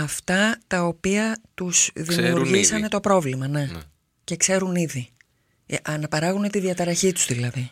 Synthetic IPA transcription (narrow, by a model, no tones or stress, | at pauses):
ɐft̪ɐt̪ɐopiɐt̪usðimiuɾʝisɐne̞t̪o̞pɾo̞vlimɐne̞ | ce̞kse̞ɾuniði | ʔɐnɐpɐɾɐɣune̞t̪iðiɐt̪ɐɾɐçit̪u̥z̥ðilɐði